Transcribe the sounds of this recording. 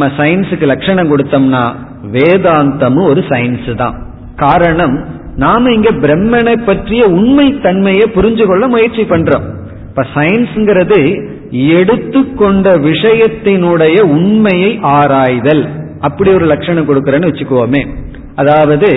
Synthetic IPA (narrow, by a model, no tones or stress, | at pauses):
mɐsɐjnsɯkːɯlɐkʂɐɳɐmkɔɽɯt̪ːɐmnaː | ʋeːðaːnt̪ɐmɯɔɾɯsɐjnsɯt̪ã̰ː | kaːɾɐɳɐmnaːmɐɪŋɡeːbɪɾɛmːɐnɐɪpːɐʈrɪjɐʊɳmɐɪt̪ːɐɳmɐjɐpʊɾɪɲd͡ʒɯkɔɭːɐmʊjɐɾt͡ʃːipɐɳɖɾõ̰ːm | pːɐsɐjnsɛŋɡɪɾɐðɯ | ɛɽɯt̪ːɯkːɔɳɖɐʋɪʂɐjɐt̪ːɪnɯɽɐjɐʊɳmɐjɐɪʔaːɾaːjðɐl | ɐpːɐɽiɔɾɯlɐkʂɐɳɐmkɔɽɯkːɯɾɐnːɯʋɛt͡ʃːɯkːɯʋoːmeː | ʔɐðaːʋɐðɯ